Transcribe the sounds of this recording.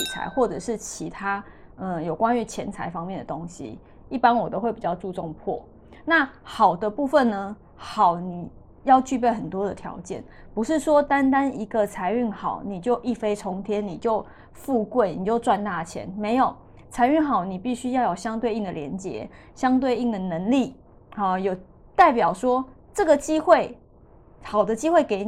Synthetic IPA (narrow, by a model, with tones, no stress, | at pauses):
i˨˩t͡sʰa̰˧˥ɪxwɔ˥˩ʈ͡ʂɤ˨˩ʂɻ̩˥˩t͡ɕʰi˧˥t̪ʰa˥ | ə˧jo˨˩ʊkwa˦ny˧˥t͡ɕʰjɛ˧˦nt͡sʰa̰˧ɪfɑ˥ŋmjɛ˥˨nd̪ə˨˩t̪o˦ŋɕḭ˧˦ | i˥˩pa˦nwɔ˨˩t̪o˥ʊxwe˥˩ɪpi˨˩t͡ɕjɑ˥˧ʊt͡su˥˧ʈ͡ʂo˥˧ŋpʰwɔ̰˥˩ | na˥˩xɑ˨˩ʊd̪ə˦pu˥˧fə˥˨nnə˨ | xɑ˨˩ʊni˨˩ | jɑ˥˧ʊt͡ɕy˥˧p̬je˥˩ɪxə˨˩nt̪wɔ˥d̪ə˨t̪ʰjɑ̰˧˥ʊt͡ɕjɛ̰˥˩n | pu˧˥ʂɻ̩˥˩ʂwɔ˦t̪a˦nt̪a˥ni˧˥ɡə˨t͡sʰa˧˥ɪy˥˩nxɑ˨˩ʊni˨˩t͡ɕjo˥˧ʊʔi˥˩fe˥ɪt͡sʰɔ˧˥ŋt̪ʰjɛ˦˥nːi˨˩t͡ɕjo˥˧ʊ | fu˥˧kwe˥˩ɪni˨˩t͡ɕjo˥˧ʊt͡swa˥˧nt̪a˥˩t͡ɕʰjɛ̰˧˦nme˧˥ɪjo˨˩ʊ | t͡sʰa˧˥ɪy˥˩ŋxɑ˨˩˦ʊni˨˩pi˥˩ɕy˥jɑ˥˩ʊjo˨˩ʊɕjɑ˥ŋt̪we˥˧ɪi˥˩ŋd̪ə˨ljɛ˧˦nt͡ɕjɛ̰˧˦ | ɕjɑ˥ŋt̪we˥˧ɪi˥˩ŋd̪ə˩nə˧˥ŋli˥˩ | ə˨˩jo˨˩ʊ | t̪a˥˩ɪpjɑ˨˩ʊʂwɔ˥ | ʈ͡ʂɤ˥˩ɡə˨˩t͡ɕi˥xwe˥˩ɪ | xɑ˨˩ʊd̪ə˨t͡ɕi˥xwe˥˩ɪke˧˥ɪn